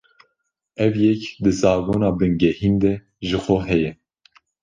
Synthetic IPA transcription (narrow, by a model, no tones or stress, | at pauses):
ɛvjɛkd̪ɨsɑːɡoːnɑːbɨŋɡɛhind̪ɛ | ʒɨxoɦɛjɛ